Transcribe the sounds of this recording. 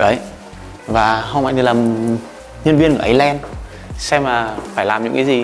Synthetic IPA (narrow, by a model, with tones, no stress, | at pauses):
ə˨˦j | vaː˨˩ɦə˧wma̰˧jt̪ʰlaː˨˩m | ɲə˧ənvi˧ənkəː˧˩˨ʔə˨˧˦jlɛ˧n | sɛ˧mlaː˨˩faː˧˩jlaː˨˩mɲɨ̰˧˥ŋkaː˨˦zi˨˩